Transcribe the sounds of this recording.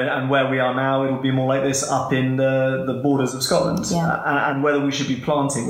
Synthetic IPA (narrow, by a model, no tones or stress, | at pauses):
ə̃nwəwiənaʊɪt̚wɪlˠbimɔːlaɪk̚ðɪsʌ̰pɪ̃nðəðəbɔːɾəzəv̥skɒʔlə̰̃nd̥ə̃ə̃nwɛðəwiʃəd̚bipʰl̥ɑ̃ˑntʰɪ̃ŋ